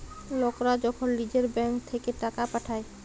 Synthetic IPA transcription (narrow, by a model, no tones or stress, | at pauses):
lɔkɾad͡ʒɔkʰɔnlid͡ʒeɾbɛ̃ŋkt̪ʰekeʈakapəʈʰaːe